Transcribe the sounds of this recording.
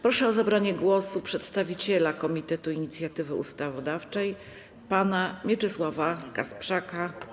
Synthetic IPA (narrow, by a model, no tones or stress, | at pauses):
pɾɔʂɛɔzabɾaɲɛɡwɔsupʂɛt̪st̪avʲit͡ɕɛlakɔmʲit̪ɛt̪uiɲit̪sʲjat̪ɘvɘṵst̪avɔd̪aft͡ʂɛj | panamʲjɛt͡ʂɘswavakaspʂaka